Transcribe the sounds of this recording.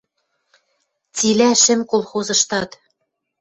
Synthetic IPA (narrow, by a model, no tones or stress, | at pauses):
t͡silæʃɘ̆mkolˠxozɤ̆ʃt̪ɑt̪